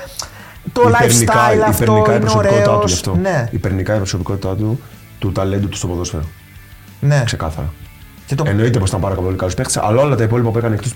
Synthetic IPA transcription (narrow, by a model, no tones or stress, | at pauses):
t̪oilapeɾnnit̪kɐlɐifpeɾnikɐɐpɾsospkot̪it̪ɐuʝɐft̪o̞neipeɾnikɐiɐpɾoso̞piko̞t̪it̪ɐt̪u | t̪ut̪ɐlend̪ut̪u̥spoðo̞sfeɾo | nekse̞kɐθɐɾɐ | cet̪oeno̞it̪e̞post̪ɐmpɐɾɐkɐpolikɐlospe̞xt̪i̥sḛʔɐlaolɐt̪ɐipo̞lipɐpuekɐnekt̪os